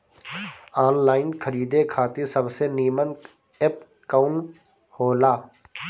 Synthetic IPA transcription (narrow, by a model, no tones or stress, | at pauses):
aːnlaːɪnkʰəɾiːd̪ekʰaːt̪isɐbseniːmən | ep | kaːʊn | hoːlaː